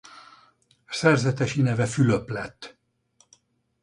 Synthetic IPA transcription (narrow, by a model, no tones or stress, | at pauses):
sɛrzɛt̪ɛʃinɛvɛfyløplɛt̪ː